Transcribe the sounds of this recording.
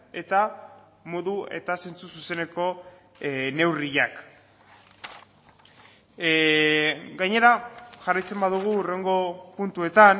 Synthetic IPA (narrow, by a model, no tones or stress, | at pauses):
e̞t̪a | mo̞ðue̞̰t̪ase̞nt͡sususe̞ne̞ko̞ | ne̞wriʎak | ɡajɲe̞ɾaʝarajt͡se̞mbaðuɣ̞uːre̞ŋɡo̞punt̪ue̞t̪an